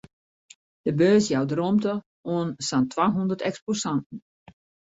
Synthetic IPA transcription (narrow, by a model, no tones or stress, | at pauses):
d̥əbøːsjawdromtə | uənsantʰwaːɦundərtɛksposantn̩